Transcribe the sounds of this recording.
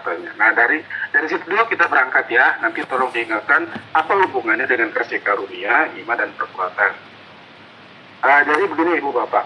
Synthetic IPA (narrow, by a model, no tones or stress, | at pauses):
t̪aɲanahdaɾidaɾisit̪uduakit̪abəɾaŋkat̪janant̪it̪ɔlɔŋdiːŋat̪̚kanapahumbuŋanɲadəŋankərsikaɾuniaimadanpərkuat̪an | əd͡ʒadibəɡiniibubapaʔ